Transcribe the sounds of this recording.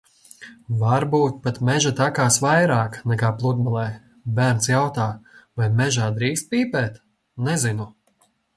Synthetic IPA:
vaɾbuːt̪̚pat̪mɛʒat̪akaːsvajɾaːknɛkaːplˠud̪malˠɛː | bæːɾnt̪sjawt̪aːvajmɛʒaːd̪ɾiːst̪̚piːpɛːt̪ | nɛzinu

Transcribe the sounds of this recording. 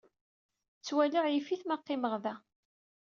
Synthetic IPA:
t͡sːwæləʁjifiθmaqːɪməʁðæ

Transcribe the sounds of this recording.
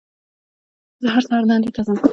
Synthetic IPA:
zaɦaɾsɑɾd̪ɑnd̪et̪azam

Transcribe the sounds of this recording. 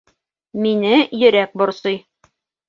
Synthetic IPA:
minɘjɵ̆ɾæk̚bŏɾsɤj

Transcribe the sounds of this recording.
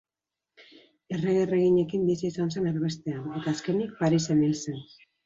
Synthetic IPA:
e̞reɣere̞ɣiɲe̞kimbisiːsanse̞naɾβe̞st̪e̞ane̞t̪aːske̞nik̚paɾise̞milsen

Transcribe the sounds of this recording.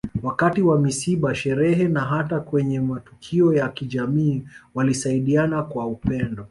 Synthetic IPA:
wakatiwamisiɓaʃɛɾɛɦɛnaɦatakwɛɲɛmatu̥kʰiɔjakiʄamiːwalisaiɗianakwaupɛndɔ

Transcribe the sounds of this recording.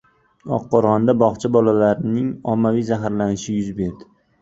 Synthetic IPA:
ɒ̰qːɒɾʁɒnd̪abɒχt͡ʃʰabɒlalaɾnɪŋɒmːavijzaɦaɾlanɪʃɪjʊzbe̞ɾd̪ɪ

